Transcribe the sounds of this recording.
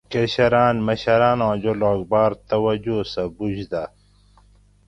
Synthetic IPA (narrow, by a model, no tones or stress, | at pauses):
kɐɕɐɾaːnmɐɕɐɾaːnõːd͡ʑoloːɡbaːɾt̪ɐwɐd͡ʑosɐbud͡ʑd̪a